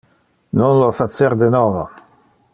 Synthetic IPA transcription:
nonlofat̪seɾd̪enɔːvo

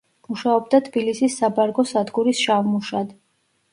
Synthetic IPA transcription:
muʃaɔb̚d̪at̪ʰb̥ilisisːabaɾɡɔsad̪ɡuɾisʃavmuʃad̪

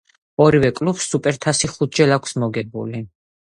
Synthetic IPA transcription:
ɔɾivɛkʼlupsːupʼɛɾt̪ʰasiχut̪̚ʰd͡ʒɛlakʷʰsmɔɡɛbṵli

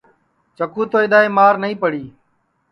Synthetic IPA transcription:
t͡ʃəkuːt̪oːɪd̪aːeːmaːɾnəɦĩːpəɽiː

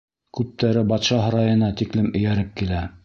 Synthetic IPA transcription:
kʉp̚t̪æɾɘbɑt̪ʃɑɦɤ̆ɾɑjɤ̆nɑt̪iklɘmɘ̆jæɾɘp̚kilæ

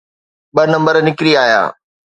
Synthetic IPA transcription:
ɓɐnɐ̃mbəɾnɪkɾiaːja̰ː

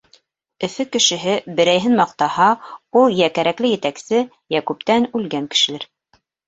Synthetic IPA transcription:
ɘ̆fɘkɘ̆ʃɘ̆ɦɘbɘ̆ɾæjɦɘnmɑq̚t̪ɑhɑulˠjækæɾæklɘjɘ̆t̪æksɘ | jækʉp̚t̪ænʉlɡæŋkɘ̥̆ʃɘ̆læɾ

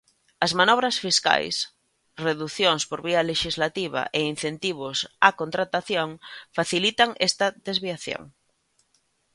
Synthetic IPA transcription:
ɐzmanɔβ̞ɾasfiska̰js | reðuθjoŋspoɾβiɐleʃizlat̪iβa̰ʔein̟θent̪iβ̞ʊsakont̪ɾat̪aθjoŋfaθilit̪aŋɛst̪ɐðezβiaθjo̰ŋ

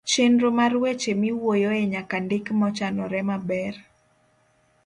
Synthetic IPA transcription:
t͡ʃendɾomarwet͡ʃemɪwojoeɲakandɪkmɔt͡ʃanɔɾɛmabɛr

